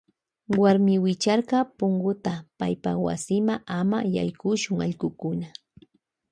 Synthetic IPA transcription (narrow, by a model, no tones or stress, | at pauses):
waɾmɪwɪt͡ʃɑɾɢɑpʊŋɡʊt̪apajpawa̰sɪmaʔama̰ja̰jkʊʃʊŋɑʎɢʊkʊna